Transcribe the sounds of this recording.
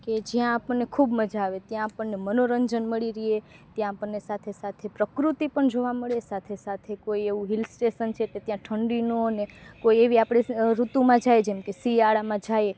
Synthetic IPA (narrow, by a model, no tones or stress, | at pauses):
ked͡ʒjãːpəɳːekʰubməd͡ʒaːʋet̪jãːpəɳːemənoɾəɲd͡ʒənməɭiɾiɦe | t̪jãːpəɳːesat̪ʰesat̪ʰepɾəkɾut̪ipəɳd͡ʒoʋaməɭesat̪ʰesat̪ʰekoieʋũɦilsʈesənt͡ʃʰeket̪jãʈʰəɳɖinunekoieʋiapɽ̃eɾut̪ũmãd͡ʒajd͡ʒemkesiaɭamãd͡ʒaje